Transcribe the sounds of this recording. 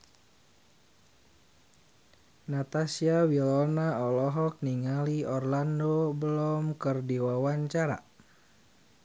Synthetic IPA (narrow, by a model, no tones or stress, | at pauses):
nat̪asiawilɔnaɔlɔɦɔk̚niŋaliɔrlandobəlɔmkərdiwawaɲt͡ʃaɾa̰